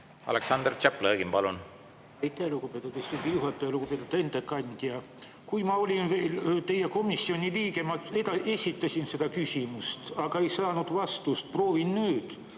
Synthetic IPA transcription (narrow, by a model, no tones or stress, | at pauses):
ɑ̰leksɑnd̪rt͡ʃæpːleɡimpɑlun | ɑjt̪ːˑeelukopet̪ːˑut̪ːest̪uɡ̪ijuɦɑt̪ːˑeelukopet̪ːˑut̪ːe̞nd̪̥ekːɑnʲd̪̥ʲiɑ | kujmɑo̞lʲinve̞ːlt̪e̞jːeko̞misːio̞nʲiliːɡemɑed̪ɑe̞sʲit̪ːˑɑsinse̞d̪̥ɑkysʲimust̪ɑɡ̥ɑe̞jsɑːnud̪̥vɑst̪ust̪̚pro̞ːvinnyːd̪̥